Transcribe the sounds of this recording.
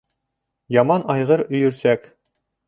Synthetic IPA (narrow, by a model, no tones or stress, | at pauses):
jɑmɑnɑjʁɤɾɵ̆jɵ̆ɾsæk